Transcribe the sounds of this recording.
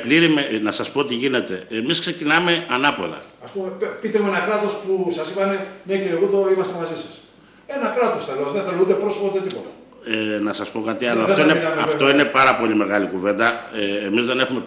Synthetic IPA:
pliɾimenɐsɐspo̞t̪iʝine̞t̪eemiskse̞cinɐme̞ɐnɐpo̞lɐ̰ɐspumepit̪emoenɐkɾɐt̪o̞spusɐsipɐneneciɾiɣund̪oimɐst̪emɐzisɐ̥s | e̞nɐkɾɐt̪o̞sθɐleoðeθɐleund̪e̞pɾosopot̪et̪ipot̪ɐ̥ | enɐsɐspo̞kɐt̪iɐloɐoineɐft̪o̞ine̞pɐɾɐpo̞lime̞ɣɐlikuve̞nd̪ɐeːmizðe̞ne̞xume̞

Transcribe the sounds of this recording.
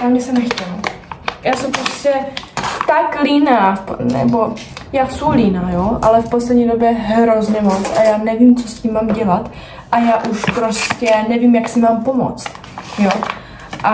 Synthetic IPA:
jaːmɛsɛmnɛxcɛlajaːsɛwpɾoscɛt̪aklinaːpnɛ̰bo̞jaːsuwliːnaːjoʔalɛfpo̞slɛd̪ɲiːdo̞bjɛɦɾo̞zɲɛmo̞t͡sʔajaːnɛviːmt͡soscimːaːmɟɛlat̪ | ʔajaːʔuʃpɾo̞scɛnɛvimjaksɪmaːmpomo̰t͡st̪ | jo | ʔa

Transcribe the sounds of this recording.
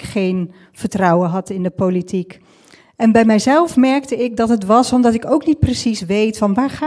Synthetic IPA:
kχejn | v̥əɹtrɑwəɦɑtɪndəpolitik | ɛnbɛjmɛjzɛlˠfmɛɹk̚təɪk̚dɑtɦətʋɑsɔmdɑtɪkowknit̚prəsisʋejtfɑnʋaːɹχa

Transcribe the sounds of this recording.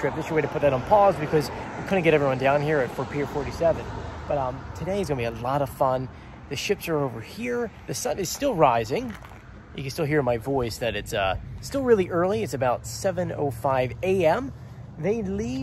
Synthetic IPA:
ɹ̥ɪp̚ðɨsə˞weɪɾɨpʰʊt̪̚ðɨɾn̩pʰɔzbɨkʰʌzwɨkʰʊdⁿn̩kɡɛɾɛvɹiwʌ̃ndãʊ̃nhiɹɨtfə˞pʰi˞fɔɹɾisɛvɨ̃nb̥ʌɾʌ̃tʰɨɾeɪɨzɡʌ̃nbiəlɔɾʌv̥fʌ̃n | ðɨʃɪpsə˞oʊvə˞hiɹðɨsʌ̃nɨz̥stɪlˠɹaɪzɪ̃ŋ | jʔɨ̰kɨn̩stɪlˠɦiɹmaɪvɔɪsðɨɾɨtsʌstɪlˠɹɪlˠiʔɜ˞lˠiɨtsɨbaʊtsɛvɨ̃no̰ʊfaɪveɪɛ̃m | ðeɪli

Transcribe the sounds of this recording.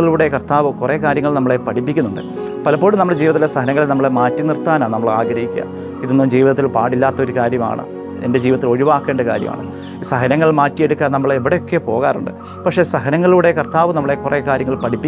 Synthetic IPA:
ɐɭuːɽe̞kɐrt̪aːʋɨkure̞ːkaːɾjɐŋːɐɭnɐmːɐɭe̞pɐʈipːikʲːunːuɳɖɨ | pɐlɐpːo̞ːɽumnɐmːɐɭd͡ʑiːʋɐt̪ːiesɐhɐnɐŋːɐɭenɐmːɐɭemaːtːinirt̪aːnaːnɐmːɐɭa̰ːɡɾɐhikʲːuɐ̰ | iðunːud͡ʑiːʋiðɐt̪ːilpaːɽilːaːt̪ːɐo̞ɾukaːɾjɐma̰ːɳɨ̰ | ḛnde̞d͡ʑiːʋɐt̪ːilo̞ɻiʋaːkːe̞ːɳɖɐka̰ːɾjɐ̰ma̰ːɳɨ | sɐɦɐnɐŋːɐɭmaːtːijeɽukːaːnɐmːɐɭeʋiɽe̞jo̞kːe̞po̞̰ːɣaːruɳɖɨ̰ | pɐkʂe̞sɐɦɐnɐŋːɐɭuːɽe̞kɐrt̪aːʋɨnɐmːɐɭe̞kurekaːɾjɐŋːɐɭpɐʈʰipːi

